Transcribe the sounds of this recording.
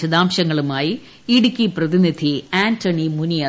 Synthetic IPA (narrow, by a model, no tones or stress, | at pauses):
ɐðaːmɕɐŋːɐɭumaːji | iɽikʲːiprɐðinid̪ʱiaːntʰɐɳimunijaː